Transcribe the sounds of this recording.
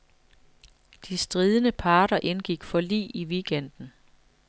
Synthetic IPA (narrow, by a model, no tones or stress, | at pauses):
d̥isd̥ʁiːð̞ˠənəpʰɑ̈ːɾ̥ɐʔe̝nɡ̥iɡ̥fɒ̽lḭːiʋiɡ̥en̰d̥n̩